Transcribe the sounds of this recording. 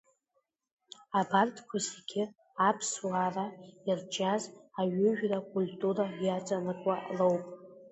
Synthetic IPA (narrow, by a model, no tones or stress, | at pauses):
abartʰʼkʷʰazeɡʲɪ | apʰslaraird͡ʒazaɥʏʒᶣrakʷʼultʼuɾajat͡sʼanɨkʷʼalowpʼ